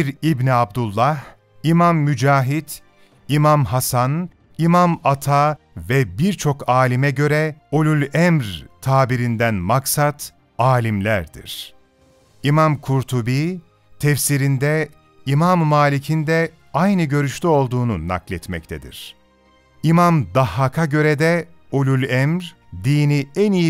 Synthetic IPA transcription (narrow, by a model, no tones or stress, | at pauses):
ɾibniab̚d̪ulˠːah | imamːyd͡ʒaːɦid̪ | imamɦasan | imamat̪ʰa | vɛbiɾt͡ʃʰo̞kaːlʲimɛɟø̞ɾɛolʲylʲɛmɾt̪ʰaːbiɾind̪ænmaksat̪ | aːlʲimlʲæɾd̪ḭɾ̥ | imamkʰuɾt̪ʰubiː | t̪ʰɛfsiɾind̪ɛ | imamːaːlʲicʰind̪ɛ | ajnɯɟø̞ɾyʃlyo̞lˠd̪uːnuna̰klʲɛt̪mɛ̰ct̪ʰɛd̪ḭɾ̥ | imamd̪ahakʰaɟø̞ɾɛd̪ɛolʲulʲɛmɾ | d̪iːniɛniji